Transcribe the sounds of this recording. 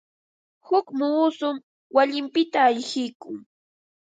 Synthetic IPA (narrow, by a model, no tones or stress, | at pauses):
hʊkmuːsʊm | waʎɪmpɪt̪aːjxɪjkʊŋ